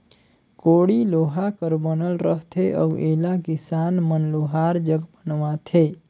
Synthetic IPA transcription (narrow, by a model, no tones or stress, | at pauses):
koːɽiloːɦakəɾbənəlɾəɦt̪ʰeʔə̰ʋʔeːlakɪsaːnmənloːɦaːɾd͡ʒəɡbənʋat̪ʰe